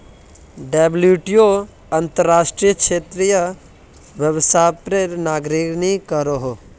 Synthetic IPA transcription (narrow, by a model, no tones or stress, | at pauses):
ɖebljuːʈijo | ɐnt̪əɾːaːʃʈɾijəkʃeːt̪ɾijə | ʋjəʋsaːpɾeɾnaːɡɾiknikəɾoɦo